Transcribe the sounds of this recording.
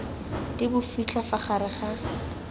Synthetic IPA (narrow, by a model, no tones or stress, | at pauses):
tɪbʊfit͡ɬʰafaχaɾɪχa